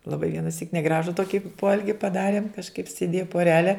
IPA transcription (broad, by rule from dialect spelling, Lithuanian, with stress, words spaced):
lˠɐˈbɐɪ ʋʲiɛnɐˈsʲiːk nʲɛˈɡrɑːʒʊ ˈtoːkʲɪ ˈpoːɛlʲɡʲɪ pɐˈdɑːrʲeːm kɐʃˈkɐɪp sʲeːˈdʲeːjɛ poːˈrʲæːlʲɛ